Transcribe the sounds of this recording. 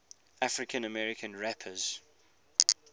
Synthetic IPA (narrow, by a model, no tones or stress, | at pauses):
ʔafɹɪkʰə̃nəmɛɹɪkʰə̃nɹɛpʰəz̥